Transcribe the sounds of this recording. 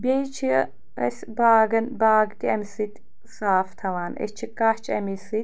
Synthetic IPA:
bʲejt͡ʃʰi | ɐs | baːɡɐnbaːɡt̪iɐmisɨt̪ʲ | saːft̪ʰɐwaːnɐ̰st͡ʃʰikaht͡ʃʰɐ̰misɨt̪̚ʲ

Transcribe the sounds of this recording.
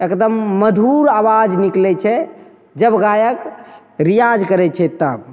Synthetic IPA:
ekd̪əmːəd̪ʱuɾawad͡ʒniklɛt͡ʃʰɛ | d͡ʒəbɡajək | ɾijad͡ʒkəɾɛt͡ʃʰɛt̪ə

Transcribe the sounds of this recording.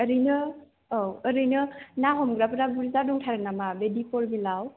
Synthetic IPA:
əɾɯjnɯ | ɔwəɾɯjnɯnaɦɔmɡɾapɯɾabuɾizadɔŋtʰaɾɯnamabedipɔɾbilaw

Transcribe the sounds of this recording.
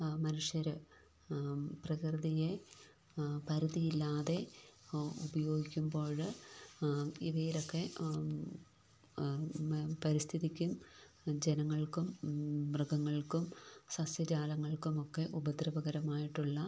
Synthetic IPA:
mɐnuʂjɐɾɨ | prɐkrɨðije̞ | pɐɾuðijilːaːðe̞ | ubɐjo̞ːɡikʲːumbo̞ːɻɨ | iʋɐjilo̞kːe̞ | pɐɾist̪ʰiðikʲːum | d͡ʑenɐŋːɐɭkumbrɨɡɐŋːɐɭkumsɐsjɐd͡ʑaːlɐŋːɐɭkumo̞kːe̞ʔubɐd̪ɾɐbɐɣɐɾɐmaːjiʈːuɭːɐ

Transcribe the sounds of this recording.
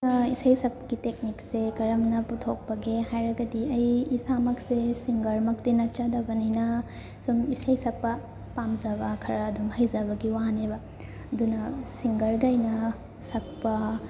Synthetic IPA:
ɐisɐjsɐk̚pɐɡitek̚niksekɐɾɐmnɐput̪ʰok̚pɐɡehajɾɐɡɐdiɐjːsamɐksesiŋɡɐɾmɐk̚tinɐt͡ʃad̪ɐbɐnɐjnɐ | sumisɐjsɐk̚pɐ | pamzɐbɐkʰɐɾɐːdumhɐjzɐbɐɡiwaɦanebɐ | ɐdunɐsiŋɡɐɾɡɐjnɐ | sɐk̚pɐ

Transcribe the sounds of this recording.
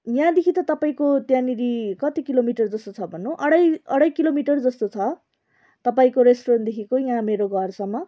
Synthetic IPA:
jãd̪ekʰit̪ʌt̪ʌpaĩkot̪jãniɾikʌt̪ikilomiʈʌrd͡zʌst̪ot͡sʰʌbʱʌnːuʔʌɽʌjʌɽʌjkilomiʈʌrd͡zʌst̪ot͡sʰʌ | t̪ʌpaĩkoɾesʈoɾʌnd̪ekʰikojãmeɾoɡʱʌrsʌmːʌ

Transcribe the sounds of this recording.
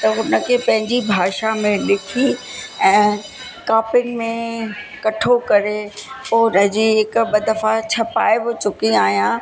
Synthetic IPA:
t̪ɐɦʊnə̆kʰeːpɐ̃ɦɪ̃ɲd͡ʑibʱaːʃamẽlɪkʰiɛ̃ː | kaːpɪ̃ŋɡmẽkɐʈʰokɐɾepoːʊnəd͡ʑiːɦɪkɓɐd̪ɐfat͡ɕʰɐpaːeɦot͡ɕʊkiaːɦjã

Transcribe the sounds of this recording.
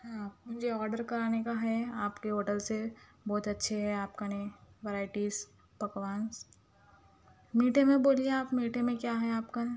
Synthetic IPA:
aːpmʊd͡ʒʱeɔːɾɖəɾkɐɾaːnekaɦɛaːpkeɦoːʈəlse | bɔːt̪ɐtːʃʰeɦɛaːpkaneʋeɾaːɪʈiːs | pɐkʋaːns | miːʈẽmẽboːlieaːpmiːʈẽmẽkjaːɦɛaːpka

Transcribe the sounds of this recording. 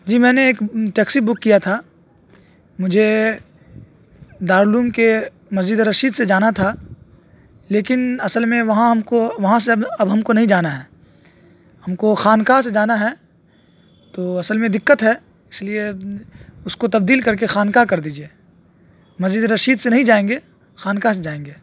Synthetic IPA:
d͡ʒiːmɛːneːkʈɛːksibʊkːijat̪ʰa | mʊd͡ʒʱe | d̪aːɾluːmke | mɐziɪd̪ɾɐʃiːd̪sed͡ʒaːnat̪ʰa | leːkɪnɐsəlmẽʋɐɦãɦɐmkoʋɐɦãseɐɐbɦɐmkonɐɦĩd͡ʒaːnaɦɛː | hɐmkoxaːnkased͡ʒaːnaɦɛ | t̪oːɐsəlmẽd̪ɪkːət̪ɦɛː | ɪslie | ʊskot̪ɐb̚d̪iːlkɐɾk̬exaːnkakɐɾd̪iːd͡ʒieː | mɐzid̪ɾɐʃiːd̪senɐɦĩd͡ʒaːẽːŋɡeː | xaːnkas̬ed͡ʒaːẽːŋɡeː

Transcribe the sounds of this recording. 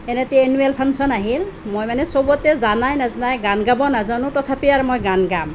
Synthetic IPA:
ɛnɛtenuelpʰansɔnaɦilmojmanɛsɔbɔtɛzanajnaznajɡanɡabɔnazanʊ̃tɔt̪ʰapiaɹmojɡanɡam

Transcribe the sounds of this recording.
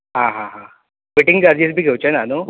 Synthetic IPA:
ɦãɦãɦã | biʈiŋɡd͡ʑaɾd͡ʑis̬bʱiːɡʱewt͡ɕenano

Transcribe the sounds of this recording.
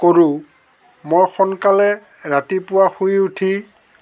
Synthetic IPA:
koɹũ | mojxɔnkalɛ | ɹatipʊwaxujutʰi

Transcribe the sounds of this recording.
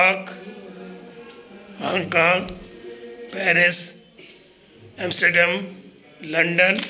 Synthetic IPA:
aːk | mãŋkãː | pɛːɾɪs | ẽmsʈəɾɖem | lɐɳɖən

